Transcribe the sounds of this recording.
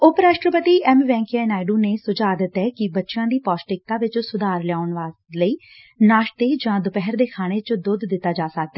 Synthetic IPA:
ʊpɾaːʃʈɾəpət̪iːʔɛːmʋɛ̃ːŋkɛːnaːɪɖuːneːsʊd͡ʒaːd̪ət̪ɛːkɪbətːʃjãːd̪iːpaːsʈɪk̚t̪ãːʋɪt͡ʃsʊd̪aːɾlɪjaːʊɳʋaː | ləiː | naːʃt̪eːd͡ʒãːd̪ʊpɛɦəɾd̪eːkʰaːɽ̃eːt͡ʃd̪ʊd̪ːɪt̪ːaːd͡ʒaːsək̚d̪aɛː

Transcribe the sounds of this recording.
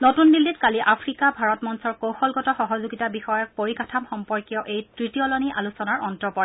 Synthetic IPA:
notundilːitkaliʔapʰɹikabʱaɹɔtmɔnsɔɹkowxɔlɡɔtɔxɔɦɔzuɡitabixɔjɔk̚poɹikatʰamxɔmpɔɹkjɔʔejtɹitijɔlɔniʔalusɔnaɹɔntɹɔpɔɹ

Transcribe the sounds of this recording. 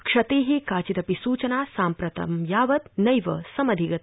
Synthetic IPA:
kʂɐt̪eːɦikaːt͡ʃit̪ɐpisuːt͡ʃɐnaːsaːmpɾɐt̪ʰɐ̰mjaːʋɐt̪nɐjʋɐ̰sɐmɐd̪ʱiɡɐt̪

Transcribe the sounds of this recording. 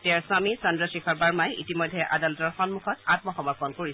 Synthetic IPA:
tɛɹswamisɔndɹɔsɹikʰɔɹbaɹmajḭtimɔjdʱːɛʔadalɔtɔɹxɔnmuxʰɔtatmɔxɔmɔɹpɔnkoɹis

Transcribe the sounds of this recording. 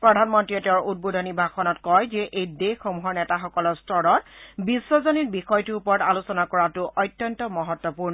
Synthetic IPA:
pɹɔdʱanmɔntɹiɔteʊɹud̚bodʱɔnibʱaxɔnɔtkɔjzɛʔejdexɔmuɦɔɹnɛtaxɔkɔlɔɹstɔɹɔtbisːɔzɔnitbixɔjtuupɔɹɔtalusɔnakɔɹatʊʔɔjtːjɔntɔmɔɦɔtːɔpuɹnɔ

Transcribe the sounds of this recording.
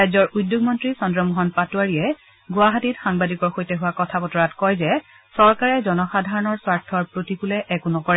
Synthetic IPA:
ajzɔɹʔudjoɡmɔntɹisɔndɹɔmɔɦɔnpatuaɹiɛ | ɡʊaɦatitxaŋbadikɔɹxojtɛɦʊwakɔtʰapɔtɔɹatkɔjzɛ | sɔɹkaɹɛzɔnɔxadʱaɹɔnɔɹswaɹtʰːɔɹpɹotikulɛʔɛkunɔkɔɹɛ

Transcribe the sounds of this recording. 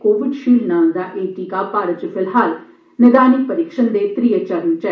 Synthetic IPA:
koːʋɪɖʃiːlnaːld̪aːʔeːʈiːkaːpaːɾət͡ʃpʰɪlɦaːl | nɪd̪aːnikpəɾɪkʃənd̪eːt̪ɾiːət͡ʃəɾənt͡ʃɛ

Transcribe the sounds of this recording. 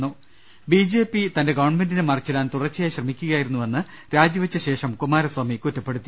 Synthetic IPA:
uː | biːd͡ʑe̞ːpːit̪ɐnde̞ɡɐʋɐɳme̞ndinemɐrt͡ɕːɐɽaːnt̪urɐt͡ɕːjaːjɕrɐmikʲːuɣɐjaːjiɾunːuʋɐnːɨ | ɾaːd͡ʑjɐʋɐt͡ɕːɐɕe̞ːʂɐmkumaːɾɐswaːmikutːɐpːe̞ɽut̪ːi

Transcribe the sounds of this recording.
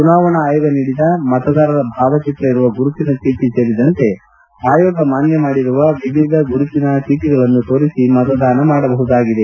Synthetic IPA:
t͡ʃunaːʋɐɳɐːjɐɡɐniːɽid̪ɐmɐt̪ɐd̪aːɾɐd̪ɐbʱaːʋɐt͡ʃit̪ɾɐiɾuʋɐɡuɾut̪inɐt͡ʃiːʈise̞ːɾid̪ɐnt̪e̞ | aːjoːɡɐmaːnjɐmaːɽiɾuʋɐʋiʋʱid̪ʱɐɡuɾut̪inɐt͡ʃiːʈiɡɐɭɐnːut̪o̞ːɾisimɐt̪ɐd̪aːnɐmaːɽɐbɐɦud̪aːɡid̪e̞

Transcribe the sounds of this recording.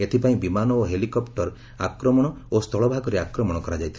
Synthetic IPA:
et̪ʰipaĩbimanɔoɦelikɔpʈɔɾ | akɾɔmɔɽ̃ɔost̪ʰɔɭɔbʱaɡɔɾeakɾɔmɔɽ̃ɔkɔɾad͡ʒajt̪ʰi

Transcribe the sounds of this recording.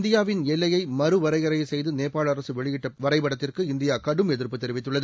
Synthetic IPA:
nd̪ɪjaːʋɪnɛlːɐjɐɪmɐɾɯʋɐɾɐɪɐɾɐjɐsɛjðɯneːpːaːɭɐɾɐsɯʋɛɭɪjɪʈːɐʋɐɾɐɪpɐɽɐt̪ːɪrkɯɪnd̪ɪjaːkɐɽɯmɛðɪrpːɯt̪ːɛɾɪʋɪt̪ːɯɭːɐðɯ

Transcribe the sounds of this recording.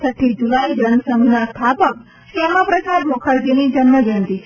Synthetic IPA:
sʰəʈʰːid͡ʒulaid͡ʒənsəminast̪ʰapək̚ | skɛmapɾəsad̪mokʰəɾd͡ʒinid͡ʒənməd͡ʒənd̪i

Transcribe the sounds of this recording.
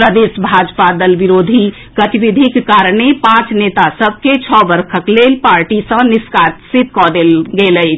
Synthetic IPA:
pɾəd̪esbʱad͡ʒpad̪əlbiɾod̪ʱi | ɡət̪iʋid̪ʱikːaɾɳepãt͡ʃnet̪asəbʱket͡ʃʰɔbəɾkʰəklelpaɾʈisə̃niskat̪sit̪̚kɔd̪elɡeləɪt͡ʃʰ

